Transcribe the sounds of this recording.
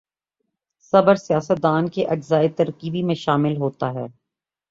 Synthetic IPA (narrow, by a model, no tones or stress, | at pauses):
sɐbəɾsijaːsət̪̚d̪aːnkeʔɐd͡ʒzaːet̪ɐɾkiːbimẽʃaːmɪlɦoːt̪aɦɛː